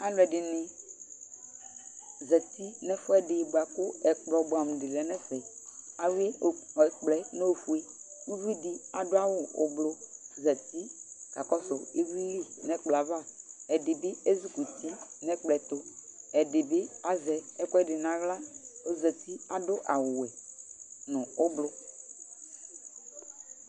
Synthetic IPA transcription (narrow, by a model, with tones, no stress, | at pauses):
a˨˦lʊ˨ɛ˨dɪ˨nɪ̃˨ | zɛ˨t̪i˦nɛ˦fʊ˦ɛ˦dɪ˨bo˨a˨kʊ˦ɛ˨k͡plɔ˨bo˨a˨m̩˨dɪ˨lɛ˨nɛ̃˦sɛ˨a˨we˦˨k͡plɛ˨ne˦o˨fu˨˦e˦u˦vi˦di˦a˨dʊ˦a˦wʊ˦ʊ˨blʊ˨zɛ˨t̪i˦ka˨kɔ˦sʊ˨e˦vi˦li˦nɛ˦k͡pla˨va˦˨ɛ˨dɪ˨bɪ˦e˦zu˦ku˨ti˦nɛ˦k͡plɛ˨t̪o˦ɛ˨dɪ˨bɪ˦a˦zɛ˨ɛ˦kɛ˦dɪ˨nã˨ɣla˦o˦zɛ˨t̪i˦a˨dʊ˦ʔa˨wʊ˨wɛ˨ | nʊ̃˨ʊ˦blʊ˦